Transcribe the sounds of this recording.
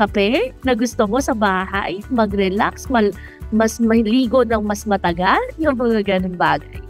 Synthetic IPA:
kɐpɛnɐɡʊst̪omosɐbaːɦa̰jmɐɡɾɛlaksmɐ | mɐsmɐhliːɡod̪ɐŋmɐsmɐt̪ɐɡaljʊŋmɐŋɐɡɐnonbaːɡaj

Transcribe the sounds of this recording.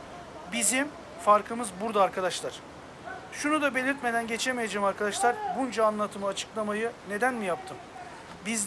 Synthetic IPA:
bizim | faɾkʰɯmɯzbuɾd̪aːɾkʰad̪aʃlˠaɾ̥ | ʃunud̪abe̞lʲiɾt̪me̞d̪ænɟe̞t͡ʃʰemejed͡ʒemaɾkad̪aʃlˠaɾbund͡ʒaːnlˠat̪ʰɯmɯat͡ʃʰɯ̥klˠamajɯne̞d̪ænmijap̚t̪ʰɯm | biz

